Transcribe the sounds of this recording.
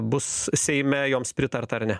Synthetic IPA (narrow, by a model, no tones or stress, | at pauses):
bʊssʲɛɪmʲɛjoːmspʲɾʲɪt̪ɐɾt̪ɐɐrnʲɛ